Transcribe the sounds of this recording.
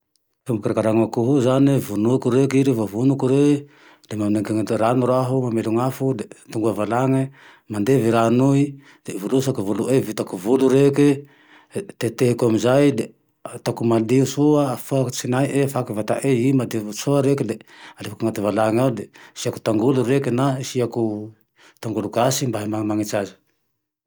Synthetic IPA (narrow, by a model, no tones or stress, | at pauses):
fumbukaɾakaɾaŋakuɦuzanivunukuɾekiɾivavunukuɾe | lemamnekiŋɾanuɾaɦumameluŋafud̪et̪uŋɡuavalaŋe | mand̪eviɾanui | d̪̥evulusakuvuluʔevit̪akuvuluɾeke | t̪et̪eɦekuamizajle | t̪akumadiusuaːfakt͡ʃinajʔefakvat̪aʔeimadiusoaɾekelealefakuŋat̪evalaŋalesiaku̥t̪aŋɡuluɾekenasiaku | t̪aŋɡulukasimbaɦimamaŋet͡ʃad͡ʒi